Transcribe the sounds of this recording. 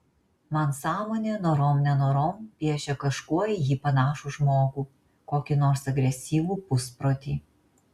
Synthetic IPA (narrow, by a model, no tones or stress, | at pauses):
mɐnsɑːmoːnʲeːnoːɾoːmnʲɛnoːɾoːmpʲiɛʃʲɛkɐʃkuɔɪjiːpɐnɑːʃuʒmoːkuː | koːkʲinoːɾsɐɡɾʲɛsʲiːʋuːpʊspɾoːt̪ʲiː